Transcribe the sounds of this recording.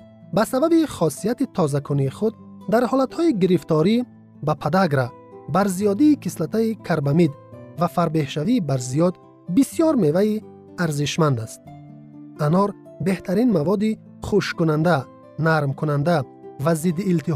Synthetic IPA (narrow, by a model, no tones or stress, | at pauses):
basababiχɔsijat̪it̪ʰɔzakʰuniːχud̪ | d̪aɾhɔlat̪hɔiɡiɾift̪ʰɔɾi | bapʰad̪aɡɾa | baɾzijɔd̪iːkʰislat̪ʰaikʰaɾbamid̪ | vafaɾbe̞hʃaviːbaɾzijɔd̪ | bisijɔɾme̞vai | aɾziʃmand̪ast̪̚ | ʔanɔɾ | be̞ht̪ʰaɾinmavɔd̪i | χuʃkunand̪a | naɾmkʰunand̪a | vazid̪ːiːlt̪ʰi